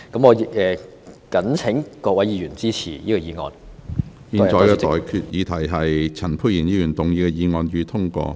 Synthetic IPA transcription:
kɐ˨˥mŋɔː˨˧jɪ˨k̚ʔɛː˨ | kɐ˨˥nt͡sʰɪ˨˥ŋkɔː˧k̚wɐ˨˥jiː˧jyː˨˩nt͡siː˥t͡sʰḭː˨˩iː˥kɔ˧jiː˨˧ŋɔ̰ː˨˧n | miː˨˧nt͡sɔː˨˧jkɛː˧t̪ɔː˨jkʰy˧t̚jiː˨˧t̪ʰɐ˨˩jɦɐ˨jt͡sʰɐ˨˩npʰu˧jjiː˨˩njiː˧jyː˨˩nt̪ʊ˨ŋjiː˧kɛ˧jiː˨˧ŋɔː˧njyː˨˧t̪ʰʊ˥ŋkɔ̰ː˧

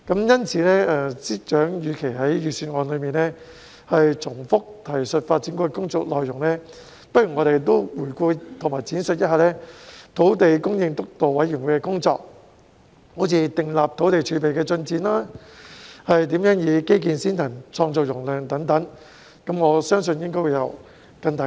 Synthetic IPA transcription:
kɐ˨˥mjɐ˥nt͡sʰiː˨˧˥nɛː˥ʔɛ˧t͡siː˥t͡ʃœː˨˥ŋjyː˨˧kʰe˨˩jɦɐ˨˥jɥyː˨˩syː˧nŋɔː˨˧nlɵ˨˧ɥmiː˨nɛː˥ | hɐ˨jt͡sʰʊ˨˩ŋfʊ˥k̚t̪ʰɐ˨˩jsɵ˨t̚faː˧t̚t͡siː˨˥nkɔː˧ɛ˧kʊ˥ŋt͡sɔː˧k̚lɔː˨jjʊ˨˩ŋnɛː˥ | pɐ˥t̚jy˨˩ŋɔː˨˧ɾe˨˩jt̪̬o˥wwuː˨˩jkuː˧t̪ʰʊ˨˩maː˨˩t͡siː˨˥nsɵ˨t̚jɐ˥t̚haː˨˩lɛː˥t̪ʰo˨˥wt̪e˨jkʊ˥ŋjɪ˧ŋt̪ʊ˥k̚t̪o˨wwɐ˨˥jyː˨˩wu˨˧kɛː˧kʊ˥ŋt͡sɔ̰ː˧k̚ | ho˨˥t͡sʰiː˨˧t̪ɪ˨ŋlaː˨p̚t̪ʰo˨˥wt̪e˨jt͡ʃʰyː˨˧pe˨jkɛː˧t͡sɵ˧nt͡siː˨˥nlaː˥ | hɐ˨jt̪iː˨˥mjœː˨˥ŋjiː˨˧ke˥jk̬iː˨nsiː˥nt̪ʰɐ˨˩ŋt͡sʰɔː˧ŋt͡sɔː˨jʊ˨˩ŋlœː˨˩ŋt̪ɐ˨˥ŋt̪ɐ˨˥ŋ | kɐ˨˥mŋɔː˨˧sœː˥ŋs̬ɵ˧njɪ˥ŋk̬ɔː˥jwu˨˩jɐ˨˧w | kɐ˧nt̪ɐ˨˥

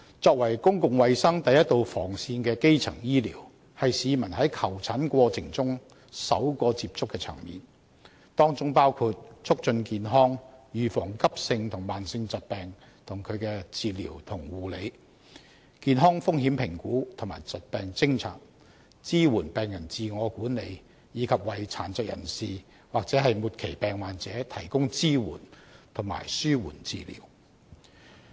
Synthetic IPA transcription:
t͡sɔː˧k̚wɐ˨˩jkʊ˥ŋkʊ˨ŋwɐ˧jsɐ˥ŋt̪ɐ˨jɐ˥t̪̚o˨˧wfɔː˨˩ŋsiː˧nkɛː˧ke˥jt͡sʰɐ̰˨˩ŋjiː˥liː˨˩w | hɐ˨jsiː˨˧mɐ˨˩nhɐ˨˥jkʰɐ˨˩wt͡sʰɐ˨˥nkʷɔː˧t͡sʰɪ˨˩ŋt͡sʊ˥ŋ | sɐ̰˨˥wkɔː˧t͡si˧p̚t͡sʊ˥kːɛː˧t͡sʰɐ̰˨˩ŋmḭː˨˩n | t̪ɔː˥ŋt͡sʊ˥ŋpaː˥wkʰuː˧t̚t͡ʃʰʊ˥k̚t͡ʃɵ˧nkiː˨nɦɔː˥ŋjyː˨fɔː˨˩ŋkɐ˥p̚sɪ˧ŋt̪ʰʊ˨˩ŋmaː˨˩nsɪ˧ŋt͡sɐ˨t̚pɛː˨ŋ | t̪ʰʊ˨˩ŋkʰɵ˨˧ɥkɛː˧t͡siː˨˧liː˨˩wt̪ʰʊ˨˩ŋwuː˨le˨˧j | kiː˨nɦɔː˥ŋfʊ˥ŋɦiː˨˥mpʰɪ˨˩ŋkuː˨˥t̪ʰʊ˨˩ŋmaː˨˩jt͡sɐ˨t̚pɛː˨ŋt͡sɪ˥ŋt͡sʰa̰ː˨˩t̚ | t͡siː˥wuː˨˩npɛː˨ŋjɐ˨˩nt͡siː˨˧ŋɔː˨˧kuː˨˥ne˨˧j | jiː˨˧kʰɐ˨p̚wɐ˨˧jt͡sʰaː˨˥nt͡sœː˨˧k̚jʔɐ̰˨˩nsiː˨ | waː˨k̚t͡sɛː˨˥ɦɐ˨jmuː˨t̚kʰe˨˩jpɛː˨˧ŋmaː˨nt͡sɛː˨˥t̪ʰɐ˨˩jkʊ˥ŋt͡siː˥wṵː˨˩nt̪ʰʊ˨˩ŋma̰ː˨˩jsyː˥wuː˨˩nt͡sḭː˨lḭː˨˩w

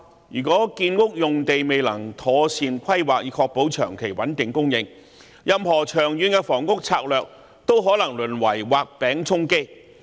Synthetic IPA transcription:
jyː˨˩kɔː˨˥kiː˧nkʊ˥k̚jʊ˨ŋt̪e˨jme˨jlɐ˨˩ŋt̪ʰɔː˨˧siː˨˧nkʰɐ˥jwaː˨k̚jiː˨˥kʰɔː˧k̚po˨˥wt͡ʃʰœ̰ː˨˩ŋkʰe˨˩jwɐ˨˥nt̪ɪ˨˩ŋkʊ˥ŋjɪ˨˧ŋ | jɐ˨mhɔː˨˩t͡ʃʰœː˨˩ŋjyː˨˧nkɛː˧fɔː˨˩ŋkʊ˥k̚t͡sʰa̰ː˧k̚lœː˨k̚ | t̪o˥wɦɔː˨˥lɐ˨˩ŋlɵ˨˩nwɐ˨˩jwaː˨k̚pɛː˨˥ŋt͡sʰʊ˥ŋke˥j

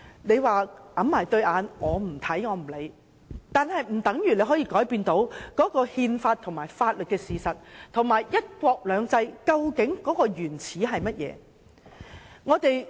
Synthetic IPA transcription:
ne˨˧jwaː˨˧ʔɐ˨˥mmaː˨˩jt̪ɵ˧ɥʔaː˨˧nŋɔː˨˧m̩˨˩t̪ʰɐ˨˥jŋɔː˨˧m̩˨˩le˨˧j | t̪aː˨nhɐ˨jm̩˨˩t̪ɐ˨˥ŋjy˨ne˨˧jɦɔ˨˥jiː˧kɔː˨˥jpiː˧nt̪o˨˥wkɔː˨˥kɔː˧hiː˧nfaː˧t̚t̪ʰʊ˨˩ŋmaː˨˩jfaː˧t̚lɵ˨t̚kɛː˧siː˨sɐ˨t̚t̪ʰʊ˨˩ŋmaː˨˩jjɐ˥t̚kʷɔː˧k̚lœː˨˧ŋt͡sɐ˧jkɐ˧wkɪ˨˥ŋkɔː˨˥kɔː˧jyː˨˩nt͡sʰiː˨˥ɦɐ˨jmɐ˥t̚jɛ̰ː˨˧ | ŋɔː˨˧t̪e˨j

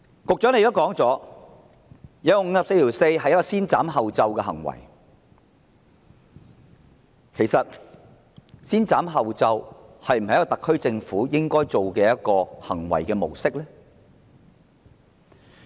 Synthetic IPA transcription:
kʊ˨k̚t͡ʃœ˨˥ŋne˧jkt̪kɔː˨˥ŋt͡sɔː˨˥ | jɐː˨˥ɔ˧ŋ̩ː˨˧sɐ˨pse˧jt̪ʰiː˨˩wse˧jɦɐ˨jɐ˥kːɔː˧siː˥nt͡saː˨˥mɦɐ˨wt͡sɐ˧wkɛː˧ɦɐ̰˨˩ŋwɐ̰˨˩j | kʰe˨˩jsɐ˨t̚ | siː˥nt͡saː˨˥mɦɐ˨wt͡sɐ˧whɐ˨jm̩˨˩ɐ˨jkɔː˧˨t̪kʰːɵ˥ɥt͡sɪ˧ŋfuː˨˥jɪ˥ŋkɔː˥jt͡so˨wkɛː˧jɐ˥t̚kɔː˧hɐ˨˩ŋwɐ̰˨˩jkɛː˧mo˨˩wsɪ˥k̚lɛː˥

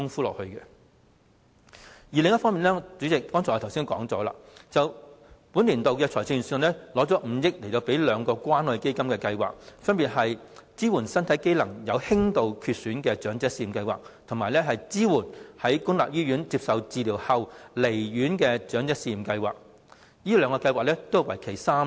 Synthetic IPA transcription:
kʊ˥ŋfuː˥lɔ̰ː˨˩hɵ˧ɥkɛ˧ | jiː˨˩lɪ˨˩ŋjɐ˥t̚fɔː˥ŋmiː˨nɛː˥t͡sy˨˥t͡sɪ˨k̚fɔː˥ŋt͡sʰɔː˨˩˨t̪ʰwsi˥nkɔː˨˥ŋt͡sɔ̰ː˨˥la̰ː˧t͡sɐ˨wpuː˨˥nliː˨˩nt̪o˨˧wkɛː˧t͡sʰɔː˨˩t͡sʰɪ˥˧˨sœ˨˧˩nlɛː˥lɔː˨˥t͡sɔː˨˥m̩˨˧˦jɪ˥k̚le˨˩t̪o˧wpe˨˥jlœː˨˧ŋkɔː˧kwaː˥nɔː˨˧jke˥jkɐ˥mkɛː˧kɐ˧jwa̰ː˨k̚fɐ˥npiː˨˩t̚hɐ˨jt͡siː˥wuː˨˩nsɐ˥nt̪ʰɐ˨˥jke˥jlɐ˨˩ŋjɐ˨˧whɪ˥ŋt̪o˨wkʰyː˧t̚syː˨˥nkɛː˧t͡ʃœː˨˥ŋt͡sɛː˨˥siː˧ji˨mkɐ˧jwaː˨k̚t̪ʰʊ˨˩ŋmaː˨˩jlɛ˥ɦɐ˨jt͡siː˥wuː˨˩nhɐ˨˥jkʊ˥nla̰ː˨p̚jyː˥ɥyː˨˥nt͡siː˧p̚sɐ˨wt͡siː˨li˨˩whɐ˨wle˨˩jɥyː˨˥nkɛː˧t͡ʃœː˨˥ŋt͡sɛː˨˥siː˧ji˨˩mkɐ˧jwa̰ː˨k̚ | jiː˥lœː˨˧ŋkɔː˧kɐ˧jwaː˨˩k̚lɛ˥t̪o˥wwɐ˨˩jkʰe˨˩jsaː˥m

